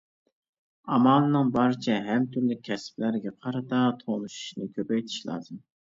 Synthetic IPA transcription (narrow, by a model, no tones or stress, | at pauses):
ɑmɑlˠɨnɨŋbɑɾɨt͡ʃʰɛɦæmt̪ʰyɾlɪkʲʰːɛsplæɾɡʲɛqʰɑɾɑt̪ɑt̪ʰonuʃu̥ʃnɨkʲʰøpɛjt̪ʰi̥ʃlˠɑ̰ːzɨm